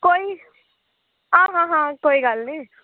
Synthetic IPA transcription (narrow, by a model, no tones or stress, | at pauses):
koi | ãɦãɦãkoiɡalni